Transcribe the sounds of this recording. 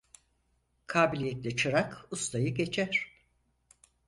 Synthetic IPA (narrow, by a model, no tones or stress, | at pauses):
kʰaːbilʲijɛt̪lʲɛt͡ʃʰɯɾakust̪ʰajɯɟe̞t͡ʃʰæɾ̥